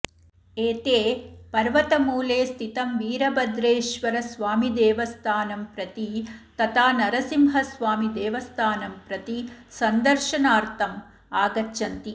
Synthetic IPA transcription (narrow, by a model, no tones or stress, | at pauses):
eːt̪eːpɐɾʋɐt̪ɐmuːleːst̪ʰit̪ɐmʋiːɾɐbɐd̪ɾeːʃʋɐɾɐsʋaːmid̪eːʋɐst̪ʰaːnɐmpɾɐt̪it̪ɐt̪ʰaːnɐɾɐsimɦɐsʋaːmid̪eːʋɐst̪ʰaːnɐmpɾɐt̪isɐnd̪ɐɾʃɐnaːɾt̪ʰɐm | aːɡɐtːʃɐnt̪i